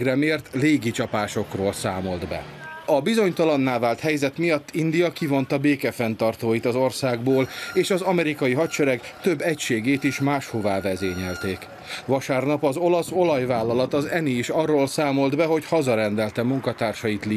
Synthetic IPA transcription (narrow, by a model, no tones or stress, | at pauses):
ɡrɛmeːrt̪leːɡit͡ʃɒpaːʃo̞kroːlsaːmo̞ld̪bɛ̰ | ɒbizo̞ɲt̪ɒlɒnːaːvaːlt̪hɛjzɛt̪mijɒt̪ːind̪ijɒkivo̞nt̪ɒbeːkɛfɛnt̪ɒrt̪oːjit̪ɒzo̞rsaːɡboːleːʃɒzɒmɛɾikɒjiɦɒtt͡ʃɛɾɛɡt̪ø̞bːɛcʃeːɡeːt̪iʃmaːʃho̞vaːvɛzeːɲɛlt̪eːk | ʋɒʃaːrnɒpɒzo̞lɒso̞lɒjvaːlːɒlɒt̪ɒzɛniːʃɒrːoːlsaːmo̞ld̪bɛɦo̞chɒzɒɾɛnd̪ɛlt̪ɛmuŋkɒt̪aːrʃɒjit̪li